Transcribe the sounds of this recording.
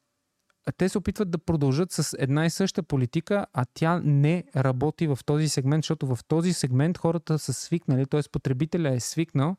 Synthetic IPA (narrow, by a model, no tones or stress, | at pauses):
t̪ɛsɛopit̪vəd̪ːɐpɾod̪ɐlˠʒɤt̪sɐsɛd̪naisɤʃt̪əpolit̪ikəʔɐt̪ʲjanɛɾɐbɔt̪ivɐft̪ɔzisɛɡmɛnt̪ʃt̪ɔt̪ʊvɐft̪ɔzisɛɡmɛnt̪xɔɾət̪əsəsviknəlit̪ɔɛspot̪ɾɛbit̪ɛlʲəɛsviknəlˠ